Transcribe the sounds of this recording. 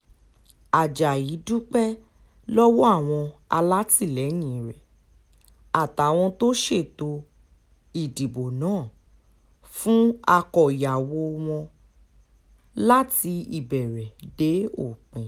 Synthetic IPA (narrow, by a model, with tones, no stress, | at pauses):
a˨d͡ʒa˨ji˨˦du˦k͡pɛ˦ | lɔ˦wo˦a˦˨w̃ɔ̃˧a̰˧la˦ti˦˨lɛ˨˦ɲĩ˧˨ɾɛ˨ | a˨ta˨˦w̃ɔ̃˧to˦ʃe˦˨to˧ | i˨di˨bo˨nãː˨˦˨ | fũ˦a˧kɔ˨i˨ja˨wo˧w̃ɔ̃˧ | la˦ti˧ḭ˦˨bɛ˨ɾɛ˨de˨˦o̰˦˨k͡pĩ˨